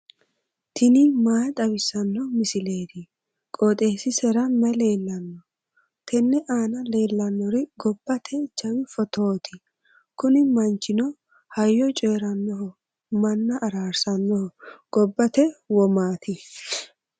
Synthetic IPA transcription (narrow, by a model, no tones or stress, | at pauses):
t̪ʰɪnɪmaːt̪ʼɐbɪsɐnːɔmɪsɪle̞ːd̪ɪ | kʼot̪ʼe̞ːsɪsɛɾɐmɛle̞ːlːɐnːɔ | t̪ʰɛnːɛʔaːnɐle̞ːlːɐnːɔɾɪɡɔbːɐt̪ʰɛt͡ʃːɐwɪfɔt̪oːt̪ʰɪ | kʊnɪmɐnt͡ʃːɪnɔ | hɐjːɔt͡ʃʼeːɾɐnːɔɦɔ | mɐnːɐʔɐɾaːɾsɐnːɔhɔɡ̥ɔbːɐt̪ɛwɔmaːt̪ɪ